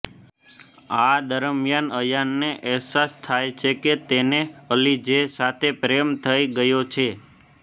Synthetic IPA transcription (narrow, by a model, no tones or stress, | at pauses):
ad̪əɾmjanəjanːeʔɛɦsast̪ʰajt͡ʃʰeket̪eneəlid͡ʒesat̪ʰepɾemt̪ʰəiɡəjot͡ʃʰe